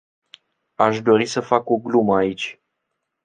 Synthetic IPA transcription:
aʃd̪o̞ɾisəfako̞ɡluməait͡ʃʲ

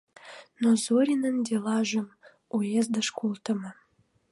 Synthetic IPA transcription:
nozuɾʲinənd̪ʲelɑʒə̆m | ujezd̪əʃkulˠt̪ə̆mə

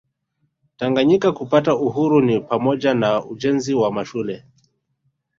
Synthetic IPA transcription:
taŋɡaɲikakupatauɦuɾunipamɔʄanauʄɛnziwamaʃulɛ

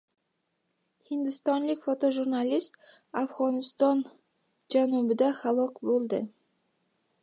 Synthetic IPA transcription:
hɪnd̪ɪst̪ɒnlɪkʲfot̪oʒuɾnalist̪ | afʁɒnɪst̪ɒn | d͡ʒanubɪd̪aχalˠɒkbolˠd̪ɪ

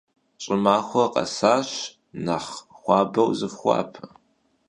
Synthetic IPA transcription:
ɕʼɪmaːxʷɔqɐ̰saːɕ | naχχʷɑːbɐwzɨfχʷɑ̰ːpʰɨ

